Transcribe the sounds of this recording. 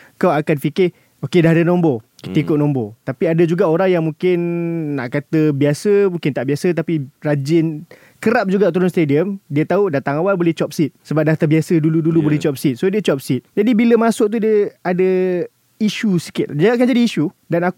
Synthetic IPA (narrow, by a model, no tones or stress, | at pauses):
kawakanfikɪ | okedaɦdanõmbɔkit̪əikʊʔ̚nɔ̃mbɔt̪apiadad͡ʒuɡaʔoɾaŋjaŋmũŋkɪnːa̰ʔkat̪əbiasəmũŋkɪnt̪aʔbiasət̪apiɾad͡ʒɪn | kəɾap̚d͡ʒuɡaʔt̪uɾʊnst̪ediəmdiət̪audat̪aŋawalbolɛht͡ʃɔp̚sit̪̚səbap̚daht̪əbiasəduludulubolɛht͡ʃɔp̚sit̪̚sodiət͡ʃɔp̚sit̪̚d͡ʒadibiləmasʊʔ̚t̪udəadə | iʃusi̥kɪt̪̚d͡ʒaakand͡ʒadiːʃu | danak